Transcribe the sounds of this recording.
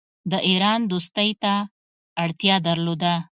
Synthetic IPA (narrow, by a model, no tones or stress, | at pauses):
d̪əʔiɾɑnd̪ost̪əjt̪aː | ɽt̪jɑd̪əɾlod̪a